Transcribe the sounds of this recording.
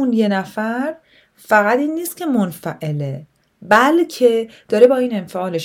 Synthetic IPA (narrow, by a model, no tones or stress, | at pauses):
unje̞næfæɾ | fæɣæt̪iːnːiːst̪̚cʰe̞monfæʔe̞le | bælcʰe̞d̪̥ɒːɾebɒːiːne̞nfeɒːleʃ